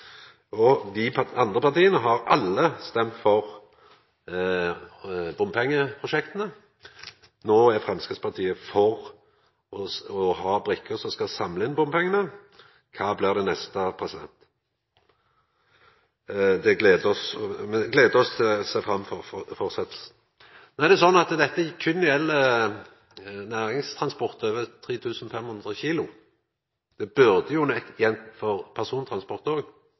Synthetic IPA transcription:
ɔd̪ɪɑnd̪ʁəpɑʁt̪iːənəɦɑɾɑlːəst̪ɛmt̪fɔʁ | bʊmpʰɛŋːəpʰʁʊʃɛkt̪ənə | noːæfʁɛmskʁət̪spʰɑʁt̪ʰiːəfɔʁ | ɔɔhɑːbɾʏkʰːəsɔmskɑsɑmləɪnbʊmpʰɛŋːənə | kʰɑːblɪʁd̪ɛnɛst̪əpʰʁɛsɪd̪ɛ̰nt̪ | d̪ɛɡleːd̪əɔsmɛɡleːd̪əɾɔst̪ʰɪsæɪfɾɑmːfɔɾfɔʁsɛt̪lsn̩ | nɔæʁd̪ɛsɔnːɑt̪d̪ɛt̪ːəɛkʰʏnɪɛlːə | næːʁɪŋst̪ʰɾɑnspɔʁt̪øːʋət̪ʰʁiːt̪ʰʉːsn̩fɛmhʊnd̪ʁəçiːlʊ | d̪̥ɛbʉʁd̪əjʊnɛkjɛnt̪fɔʁpʰæʁsuːnt̪ʰɾɑnspɔʁt̪oːɡ

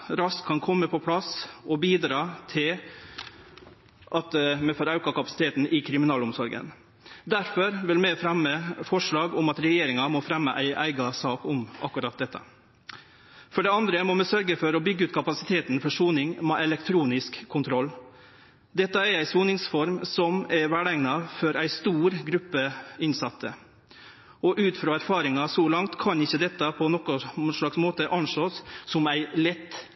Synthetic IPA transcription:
ɾɑstkʰːɑnkʰɔmːəpʰɔpʰɽɑsɔbiːd̪ɾɑːt̪ʰɪl | ʔɑt̪mɛfɔɾɑʉkɑkɑpɑ̥sɪt̪ʰeːt̪n̩ʔɪkʰɾɪmɪnɑːlʊmsɔɾɡə̰n | d̪æɾfɔɾʋɪlmɛfɾɑməfɔʂɭɑːɡʊmɑt̪ɾɛjeːɾɪŋɑmɔfɾɛmːəʔæɪʔæɪɡɑsɑːkʊmʔɑ̰kːʉɾɑt̪̚d̪ɛt̪ːɑ̰ | fɔɖɛɑnd̪ɾəmɔmɛsœɾɡəfɔɾɔbʏɡːəʉːt̪̚kʰɑpɑsɪt̪ʰeːt̪n̩fɔʂuːnɪŋmɛʔɛlɛkt̪ʰɾuːnɪskʰːʊnt̪ʰɾɔlː | d̪ɛt̪ːɑæɾæɪsuːnɪŋsfɔɾmsɔmɛɾʋæːɖæŋnɑfɔɾæɪst̪uːɾɡɾʉpːəɪnsɑt̪ʰːə̰ | ɔʔʉːt̪fɾɑːæɾfɑːɾɪŋɑsɔlɑŋt̪kʰɑnɪçːəd̪ɛt̪ːɑpʰɔnɔkɔʂɭɑksmoːt̪əʔɑnʂoːsːɔmæɪlɛt̪ː

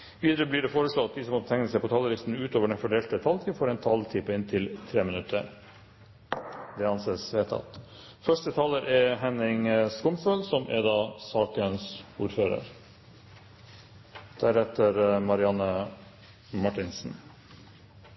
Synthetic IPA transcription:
ʋiːd̪əɾəblɪɖɛfoːɾəʂloːɑt̪̚d̪ɪsɔmɔt̪ːət̪ʰɛŋnəsɛɪpɔt̪ʰɑːləɾɪst̪n̩ʉːt̪oːʋəɖɛnfɔɖeːlt̪ət̪ʰɑlt̪ʰifoːɾɛnt̪ʰɑlt̪ʰɪpəɪnt̪ʰɪlt̪ʰɾeːmənʉt̪ʰːə̰ɾ | d̪ɛɑnseːsʋeːt̪ʰɑ̰t̪ | fœʂʈət̪ʰɑːləɾʔɛɾɦɛnɪŋəskʊmføːlsɔmʔɛ̰ɾd̪ɑːsɑːkənsuːɾføːɾə̰ɾ | d̪̥æɾɛt̪ːəɾmɑɾɪɑnːə | mɑʈɪnsn̩

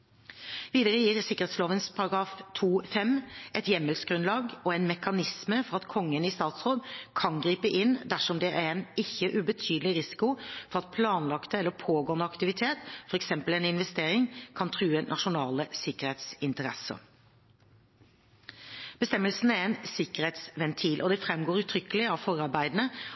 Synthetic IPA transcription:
ʋiːd̪əɾəjiːɾsɪkːə̥ʁhɛɪt̪sloːʋənspʰɑɾɑɡɾɑːft̪ʰuːfɛmʔɛt̪jɛmːəlsɡɾʉnlɑːɡɔɛnmɛkɑnɪsməfɔʁɑt̪kʰɔŋːənɪst̪ɑːt̪sʁoːd̪kʰɑnɡɾiːpəʔɪnd̪æʂɔmd̪ɛʔæɛnɪçːəʔʉbət̪ʰyːd̪əlɪɾɪsɪ̥kʊfɔɾɑt̪̚pʰlɑːnlɑkt̪əɛlːəɾpʰoːɡoːnd̪əɑkt̪ɪʋɪt̪ʰeːt̪fɔɾɛksɛmpəlɛnɪnʋɛst̪eːɾɪŋkʰɑnt̪ʰɾʉːənʔɑʂʊnɑːləsɪkəɾheːt̪sɪnt̪əɾɛ̰sə̰ | b̥əst̪ɛmːəlsn̩æɾɛnsɪkəɾheːt̪sʋɛnt̪ʰiːlʔɔd̪ɛfɾɛmɡoːɾʉt̪ʰɾʏkːəlɪɑʋfɔɾɑɾbæɪd̪nə

